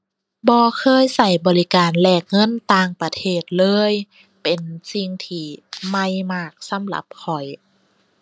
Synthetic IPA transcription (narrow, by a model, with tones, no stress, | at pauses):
bɔː˧kʰɤː˧˥˨jsa˧˩jbɔː˨˩li˦˧kaː˨nlɛː˧˩k̚ŋɤ˧˥˨nt̪aː˧ŋpa˧t̪ʰeː˧˩t̪̚lɤː˧˥˨j | pe˨˩nsi˧ŋt̪ʰiː˧˩ma˧˩jmaː˧˩k̚sa˧˦mla̰˧˦p̚kʰɔ˨˩j